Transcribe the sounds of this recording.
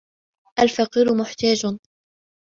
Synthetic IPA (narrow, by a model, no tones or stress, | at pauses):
ʔalfaqiːɾʊmʊħt̪aːd͡ʒ